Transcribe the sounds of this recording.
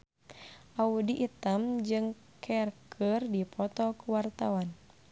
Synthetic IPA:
ʔaudiʔːt̪amd͡ʒɨŋ | kʰɛrkʰərdipɔt̪ɔkuwart̪awan

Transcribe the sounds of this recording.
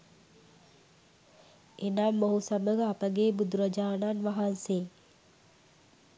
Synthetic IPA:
enamːoɦusaməɡəapəɡeːbud̪uɾəd͡ʒaːnanʋaɦanse

